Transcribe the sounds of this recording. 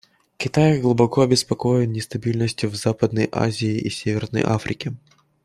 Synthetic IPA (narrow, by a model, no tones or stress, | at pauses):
kʲɪt̪ajɡlˠʊbɐkoɐbʲɪspɐkojɪnnʲɪst̪ɐbʲilʲnəsʲtʲjʊvzapəd̪nəjʔa̰zʲɪːisʲevʲɪrnə̰jʔa̰fɾʲɪkʲɪ